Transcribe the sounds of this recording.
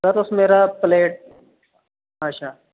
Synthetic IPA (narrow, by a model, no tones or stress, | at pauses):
əɾʊsmeːɾapleːʈ̚ | aʃʰaː